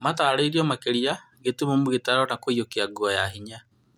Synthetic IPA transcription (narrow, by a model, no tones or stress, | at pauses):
mataːɾeiɾiɔmakeɾia | ɣetumomoɣetaɾɔnakoijokeaɡwɔjaɦiɲa